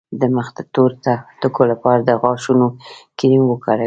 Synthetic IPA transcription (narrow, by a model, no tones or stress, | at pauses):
d̪əməxt̪at̪oɾt̪at̪əkolapɑɾad̪əɣɑʃunokiɾinwəkaɽa